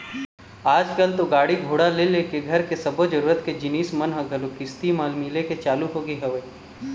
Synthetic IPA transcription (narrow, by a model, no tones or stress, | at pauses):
aːd͡ʒkəlt̪oɡaːɽiɡʱoːɽalelekeɡʱɐɾkesɐbod͡ʒɐɾuːɾət̪ked͡ʒɪniːsmɐnɦɐɡʱɐlokɪst̪imaːlmiːleket͡ʃaːluɦoːɡəiɦɐʋeː